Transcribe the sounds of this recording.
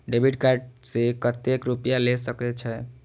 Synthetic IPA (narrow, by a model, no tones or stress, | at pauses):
ɖebʱiʈkaɾɖsekət̪ekɾupjalesəket͡ʃʰɛ